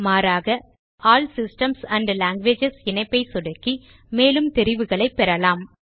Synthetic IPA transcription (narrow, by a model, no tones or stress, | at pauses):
maːɾaːɣɐ | aːlsɪsʈɐmsɐɳɖlaːŋɡʋeːd͡ʒɛsɪnɐɪpːɐɪsʊɽɐkːi | meːlɯmt̪ɛɾɪʋɯɣɐɭɐɪpːɛɾɐlaːm